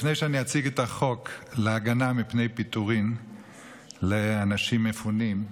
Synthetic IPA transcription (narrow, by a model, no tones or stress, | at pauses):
fnejʃeaniat͡siɡetaχo̞kleaɡanamipne̞jpituʁim | leanaʃimːefunim